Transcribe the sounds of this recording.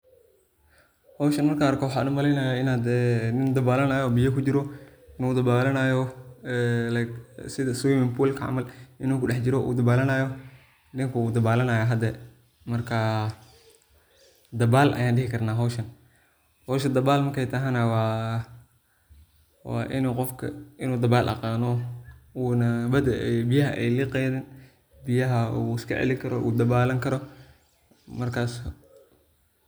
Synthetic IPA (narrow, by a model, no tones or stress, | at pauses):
hɔːʃɐnmɐrkʰaːrkʰɔwʊħaːnʊmɐlɛjnaːjaɪnaːd̪ɛːnɪnd̪ɐbaːlɐnaːjɔbɪjɐkʰʊd͡ʒɪɾɔ | ɪnuːd̪ɐbaːlɐnaːjɔ | lsɪðɐsuwmɪmpʰulkʰɐ̰ʕ̰mɐlɪnuːkʰʊɗɛħt͡ʃɪɾɔʔṵːd̪ɐbaːlɐnaːjɔ | nɪŋkʰuuːd̪ɐbaːlɐnaːjaɦɐd̪ɛ | mɐrkʰɐ | d̪ɐbaːlʔɐ̰jaːnɖɪɦɪkʰɐrnaːɦɔʃɐn | hɔːʃɐd̪ɐbaːlmɐrkʰɛjt̪ʰɐɦanawaː | wa̰ːʔɪnuːqɔfkʰɐ̰ɪnuːd̪ɐbaːlʔɐ̰qɑːnɔuːnɐbɐd̪ɐɛbɪjɐɦɐʔɛjlɪqɛːðɪn | bɪjɐɦɐuɪskʰɐ̰ʕɛ̰lɪkʰɐɾɔʔṵːd̪ɐbaːlɐŋkʰɐɾɔ | mɐrkʰaːs